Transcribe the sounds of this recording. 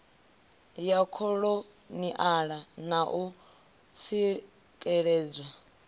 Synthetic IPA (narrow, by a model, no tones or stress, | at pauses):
jakʰɔɺɔ | niʔaɺanaʔu | t͡sʰi | kʼɛɺɛːd͡zwa